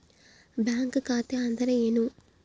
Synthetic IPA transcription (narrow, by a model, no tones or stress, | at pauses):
bjaːŋkkaːt̪eɐnd̪ɐɾeenu